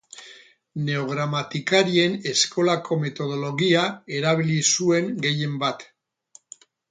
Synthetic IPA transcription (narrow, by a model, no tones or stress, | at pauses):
ne̞o̞ɣ̞ɾamat̪ikaɾie̞ne̞sko̞lakʰo̞me̞t̪o̞ð̞o̞lo̞ɣiae̞ɾaβ̞ilisue̞ŋɡe̞je̞mbat̪